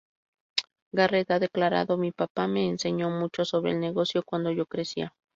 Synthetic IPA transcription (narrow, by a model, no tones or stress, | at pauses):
ɡaret̪aðeklaɾa̰ðomipapameːnseɲomut͡ʃosoβɾḛːlneɣosjokwand̪oʝokɾesia